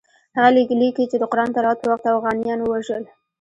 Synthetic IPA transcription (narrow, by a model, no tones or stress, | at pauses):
haɣalilik̪it͡ʃed̪əqɾɑnt̪aɾɑt̪pəwaxt̪afɣɑnijɑnwəwaʒəl